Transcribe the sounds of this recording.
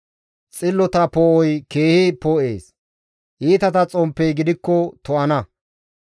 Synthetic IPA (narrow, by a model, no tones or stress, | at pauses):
t͡sʼɪlːɔt̪ɐpɔʔɔjke̞ːhɪpɔːʔe̞̰ːs | ʔiːt̪ɐt̪ɐt͡sʼɔmpːɛjɡɪd̪ɪkːɔt̪ɔʔɐnɐ